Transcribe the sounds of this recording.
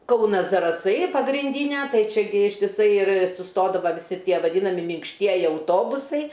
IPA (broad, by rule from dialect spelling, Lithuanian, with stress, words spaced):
ˈkɐʊnɐs zɐrɐˈsɐɪ pɐɡrʲɪnʲˈdʲiːnʲɛ ˈtɐɪ t͡ʃʲɛˈɡʲɪ ɪʃʲtʲɪˈsɐɪ ɪr sʊˈstoːdɐʋɐ ʋʲɪˈsʲɪ ˈtʲiɛ ʋɐˈdʲiːnɐmʲɪ mʲɪŋkʃʲˈtʲiɛjɪ ɐʊˈtoːbʊsɐɪ